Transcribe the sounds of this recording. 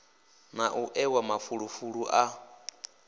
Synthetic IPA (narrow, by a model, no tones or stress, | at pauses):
naʔuʔɛwamafuɺufuɺuʔa